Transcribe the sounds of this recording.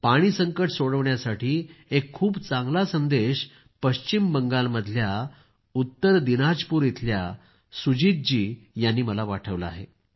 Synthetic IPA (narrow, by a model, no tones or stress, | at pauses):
paɽ̃iːsəŋkəʈsoɽəʋɳjasaʈiːekʰːuːbt͡saŋɡlasənd̪eɕ | pəɕt͡ɕimbəŋɡalməd̪ʱlja | ut̪ːəɾd̪inad͡ʑpuːɾjet̪ʰlja | sud͡ʑit̪̚d͡ʑiːjanːiːməlaʋaʈʰəʋləa̰ɦḛ